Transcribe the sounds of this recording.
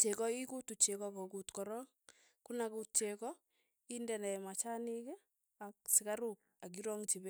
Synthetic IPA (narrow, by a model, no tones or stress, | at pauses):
t͡ʃekɔikutut͡ʃekɔkɔkutkɔɾɔŋ | kunakut̚t͡ʃekɔ | indɛnɛmat͡ʃanike | ak̚sɪkaɾuk̚ak̬iɾɔŋt͡ʃibɛ